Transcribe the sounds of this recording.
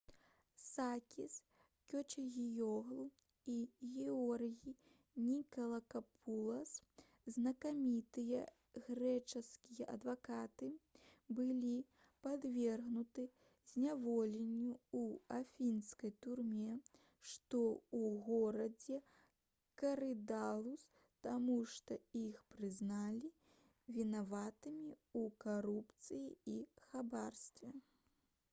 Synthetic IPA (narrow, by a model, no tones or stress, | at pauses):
sakʲis | kʲɔt͡ʃʲɐɣʲijɔɣlˠu | iɣʲɛɔrɣʲi | nʲikɐlˠɐkapʰulˠɐs | znɐkamʲit̪ɨjɐ | ɣrɛt͡ʂɐskʲijɐʔɐ̰d̪vakat̪ɨbɨlʲi | pad̪vʲɛrɣnut̪ɨ | zʲnʲavɔlʲenʲːuuafʲinskɐjt̪urmʲɛ | ʂt̪ɔuɣɔɾɐd͡zʲɛ | kɐɾɨd̪alˠus | t̪amuʂt̪ɔixpɾɨznalʲi | vʲinavat̪ɨmʲiukaɾupt̪sɨjiixabarst̪vʲɛ